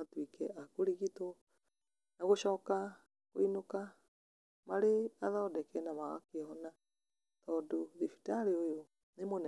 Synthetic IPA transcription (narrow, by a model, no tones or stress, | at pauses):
atwikɛʔakoɾiɣito | naɣoʃɔːka | ko̰inoka | maɾeaðɔːdɛkɛnamaɣa̰kehɔna | tɔːdoðifi̥taɾeojo | nemonɛ